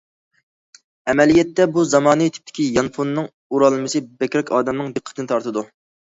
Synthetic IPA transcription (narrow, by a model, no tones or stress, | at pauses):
ɛmɛlijɛt̪ːɛbuzɑmɑːnɨt̪ʰy̥p̚t̪ʰɪ̥kʲijɑnponːɨŋ | uɾɑlˠɨmɨsɨbɛkʲɾɛkʲʰɑːd̪ɛmnɨŋd̪ɨqʰːə̥t̪ʰɨnɨt̪ʰɑɾt̪ɨd̪u